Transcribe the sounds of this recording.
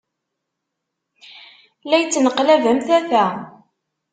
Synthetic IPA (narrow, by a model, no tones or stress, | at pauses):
læjt͡sːnəqlævæmθæθæ